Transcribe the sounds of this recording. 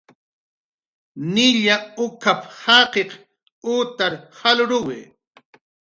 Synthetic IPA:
nɪʎaʊkaphaqeq | uʊt̪aɾhalɾʊwɪ

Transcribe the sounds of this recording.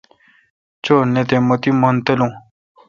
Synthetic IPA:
t͡ɕoːnet̪ẽmot̪imont̪elũ

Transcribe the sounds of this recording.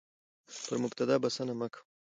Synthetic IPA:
pəɾmʊbt̪ad̪ɑːbasanamakʰ

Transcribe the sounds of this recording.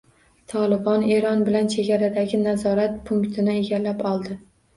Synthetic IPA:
t̪ʰɒlɪbɒne̞ɾɒnbɪlant͡ʃʰe̞ɡʲaɾad̪aɡʲɪnazɒɾat̪pʰʊŋkt̪ʰɪnɪeɡʲalːapɒlˠd̪ɪ

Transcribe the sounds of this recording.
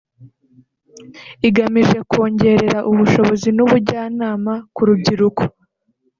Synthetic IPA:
iɡamiʒe̞ko̞ːɲɟe̞ɾe̞ɾaʔuβuʃo̞βo̞zinuβuɾɟaːnaːmakuɾub̚ɟiɾuko̥

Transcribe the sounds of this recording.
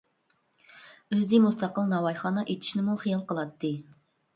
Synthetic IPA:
øzɪmust̪ɑqəlˠnɑwɑjχɑːnɑʔet̪ʰi̥ʃnɪmuχijɑlˠqəlˠɑt̪ʰːɨ

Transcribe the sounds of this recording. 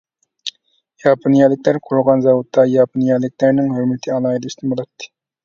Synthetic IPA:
jɑpʰonijɑlˠɪk̚ʲlæɾqʰoɾʁɑnzɑwot̪ʰːɑjɑponijɑlɪk̚ʲlæɾnɪŋhøɾmɪt̪ʰɪɑlˠɑːjid̪ɑist̪nbolˠɑt̪ʰːɨ̥

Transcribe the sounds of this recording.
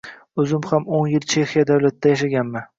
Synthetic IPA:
ɵzɪmhamonjɪlt͡ʃʰe̞xijad̪awlat̪d̪ajaʃ̬aɡʲanmɪ

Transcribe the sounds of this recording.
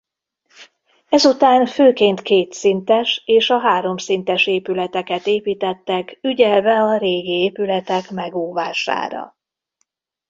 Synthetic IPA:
ɛzut̪aːnføːkeːnt̪keːt̪sint̪ɛʃeːʃɒɦaːɾo̞msint̪ɛʃeːpylɛt̪ɛkɛt̪eːpiːt̪ɛt̪ːɛkyɟɛlvɛɒɾeːɡieːpylɛt̪ɛkmɛɡoːvaːʃa̰ːɾɒ̰

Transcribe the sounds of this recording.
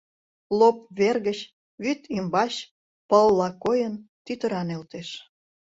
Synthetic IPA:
lopβerɣət͡ɕ | βyt̪imbɑɕ | pəlːɑkojənt̪yt̪əɾɑnelt̪eʃ

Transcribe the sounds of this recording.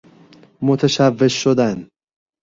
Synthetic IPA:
mot̪ʰæʃævːe̞ʃːod̪æn

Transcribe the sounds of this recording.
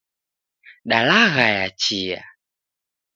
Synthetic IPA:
ɗalaɣajat͡ʃija̰

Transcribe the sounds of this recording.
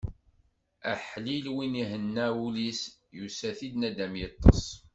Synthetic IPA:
ə̰ħlilwiniɦənːæulisjusæθid̪næd̪æmjət̪ˤːɑ̰sˤ

